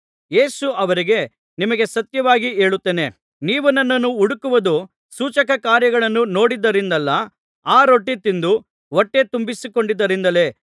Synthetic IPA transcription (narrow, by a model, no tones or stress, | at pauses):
jeːsuɐʋɐɾiɡe̞ | nimɐɡe̞sɐt̪jɐʋaːɡie̞ːɭut̪ːeːne̞ | niːʋɐnːɐnːɐnːuuɽukuʋɐd̪u | suːt͡ʃɐkɐkaːɾjɐɡɐɭɐnːuno̞ːɽid̪ːɐɾind̪ɐlːɐ | aːɾo̞ʈːit̪ind̪u | ʋoʈːe̞t̪umbisiko̞ɳɖid̪ːɐɾind̪ɐle̞